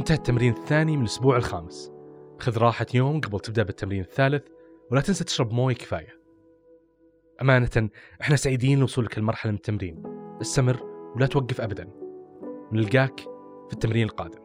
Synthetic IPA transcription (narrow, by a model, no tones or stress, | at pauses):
ʔɪnt̪ahat̪ːamɾiːnɪθːaːnimɪnlʔʊsbuːʕɪlxa̰ːmɪsʔaxaðɾˤɑːħajoːmɡabɪlt̪ɪb̚d̪aʔbɪt̪ʰːamɾiːnɪθːaːlɪθ | wlat̪ɪnsat̪ɪ̥ʃɾˤɑbmoːjakɪ̥fa̰ːja | ʔamaːnat̪anʔɪħnasaʕid̪iːnlwʊsˤuːlakɪlmɑɾˤħalamɪnɪt̪ːamɾiːnʔɪst̪amɪrːwlat̪waɡːɪfʔabad̪an | ɪnɪlɡaːk | fit̪ːamɾiːnɪlqɑ̰ːd̪ɪm